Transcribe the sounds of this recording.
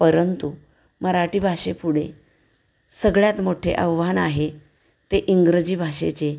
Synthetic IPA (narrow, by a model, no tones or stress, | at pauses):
pəɾənt̪u | məɾaʈiːbʱaʂepuɽe | səɡɭjat̪moʈʰḛʔəʋːanaɦe | t̪eʔiŋɡɾəd͡ʑiːbʱaʂḛt͡se